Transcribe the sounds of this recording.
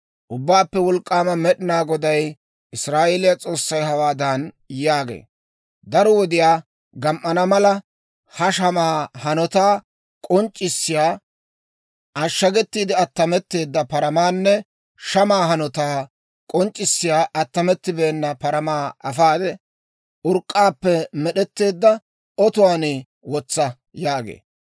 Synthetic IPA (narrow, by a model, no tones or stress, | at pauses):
ʔʊbːaːpːɛwɔlkʼːaːmɐmɛɗɪnaːɡɔd̪ɐj | ʔɪsɾaːʔeːlɪjɐt͡sʼo̞ːsːɐjɦɐwaːd̪ɐn | jaːɡḛː | d̪ɐɾɔwɔd̪ɪjaː | ɡɐmʔːɐnɐmɐlɐ | hɐʃɐmaːhɐnɔt̪aː | kʼɔnt͡ʃʼːɪsːɪjaː | ʔɐʃːɐɡɛt̪ːiːd̪ɪɐt̪ːɐmɛt̪ːe̞ːd̪ːɐpɐɾɐmaːnːɛ | ʃɐmaːɦɐnɔt̪aː | kʼɔnt͡ʃʼːɪsːɪjaːʔɐt̪ːɐmɛt̪ːɪbeːnːɐpɐɾɐmaːɐfaːd̪ɛ | ʊɾkʼːaːpːɛmɛɗɛt̪ːe̞ːd̪ːɐ | ɔt̪ʊwaːnɪ | wɔt͡sːɐ | jaːɡḛː